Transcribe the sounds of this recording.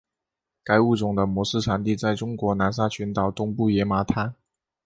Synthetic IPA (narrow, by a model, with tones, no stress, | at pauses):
ka˧˥ɪu˥˩t͡sʊ˨˩ŋd̪ə˦mwɔ˧˥ʂɻ̩˥˩ʈ͡ʂʰa˧˥nt̪i˥˧t͡sa˥˩ɪʈ͡ʂʊ˥ŋkwɔ˧˥na˧˥ns̬a˥t͡ɕʰɛ˧˥nt̪ɑ˨˩ʊt̪ʊ˥ŋpu˥˩jɛ˧˥ma˧˥t̪ʰa˥